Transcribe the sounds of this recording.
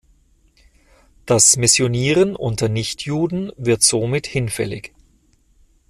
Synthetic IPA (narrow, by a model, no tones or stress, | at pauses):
d̥asmɪsjoniːʁənʔʊntɐnɪçtʰjuːdn̩vɪɐtz̥oːmɪthɪnfɛ̰lɪ̰ç